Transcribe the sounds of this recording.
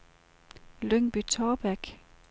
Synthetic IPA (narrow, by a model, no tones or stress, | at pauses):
løŋb̥yt͡sʰɒːb̥æɡ̥